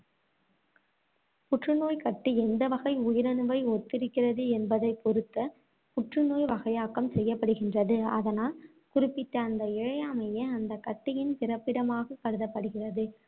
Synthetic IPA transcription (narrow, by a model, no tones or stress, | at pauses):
pʊʈrɯnoːjkɐʈːiɛnd̪ɐʋɐɣɐɪʊjɪɾɐnɯʋɐɪɔt̪ːɪɾɪkːɪrɐðɯɛnbɐðɐɪpːɔɾɯt̪ːɐ | pʊʈrɯnoːjʋɐɣɐjaːkɐmsɛjːɐpːɐɽɯɣɪndrɐðɯɐðɐnaːl | kʊɾɪpːɪt̪ːɐːnd̪ɐɪɻɐjaːmɐjeɐnd̪ɐkːɐʈːɪjɪnpɪrɐpːɪɽɐmaːɣɐkːɐɽɯðɐpːɐɽɯɣɪrɐðɯ